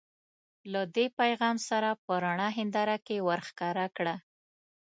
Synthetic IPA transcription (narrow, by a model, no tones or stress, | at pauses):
lad̪epajɣɑmsaɾapəɾaɳɑɦɪnd̪ɑɾakewaɾxkɑɾakɽa